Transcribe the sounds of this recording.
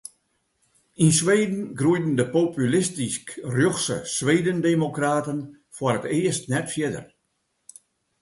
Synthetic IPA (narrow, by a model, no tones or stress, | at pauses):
insʋeːdn̩ɡrujdn̩dəpopʰylɪstiskrjoxsə̰sʋeːdəndemokraːtən | fwəɾətɪəstnɛtfjɪdə̰r